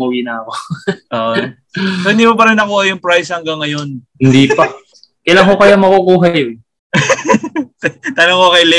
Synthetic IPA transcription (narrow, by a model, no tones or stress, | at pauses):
owinɐɐkoʔoːʔon | sohɪnd̪ipɐpɐɾɪnːɐkuːhɐjʊŋpɾajshɐŋɡɐŋːɐjonhɪnd̪ipɐ | kɐjlaŋhokɐjamɐkokuːɦɐj | t̪ɐnoŋhokɐjlɛ